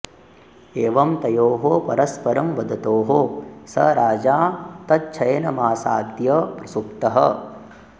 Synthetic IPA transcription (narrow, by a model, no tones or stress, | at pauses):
eːʋɐmt̪ɐjoːɦopɐɾɐspɐɾɐmʋɐd̪ʱɐt̪oːɦosɐ̰ɾaːd͡ʒaːt̪ɐt͡ʃʰɐjɐnɐmaːsa̰ːd̪jɐpɾɐsukt̪ɐɦɐ̰